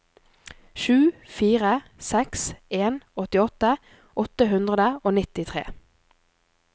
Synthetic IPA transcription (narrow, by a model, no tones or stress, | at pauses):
ʃʉːfiːʁəsɛkseːnɔt̪ɪɔt̪ə | ʔɔt̪əɦʉnd̪ʁəd̪əoːnɪt̪ɪt̪ʰʁḛː